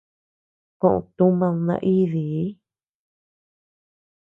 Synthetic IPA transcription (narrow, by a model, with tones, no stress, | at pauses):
kõ˦˧ʔõ̰˧t̪ũ˦mã˧ũ˧nã̰˧ʔi˦ði˨˦